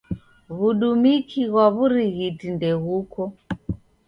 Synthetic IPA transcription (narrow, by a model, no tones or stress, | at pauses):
βuɗumikʰiɣwaβuɾiɣitindɛɣukɔ